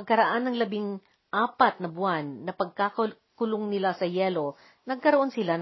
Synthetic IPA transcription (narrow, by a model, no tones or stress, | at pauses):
ɡ̚kɐɾɐʔanɐŋlɐbiŋ | ʔaːpɐt̪̚nɐbʊanːɐpɐɡ̚kak | kʊloŋnɪlasɐjɛːlo̞ | nɐɡ̚kɐɾoʔo̞nsɪlan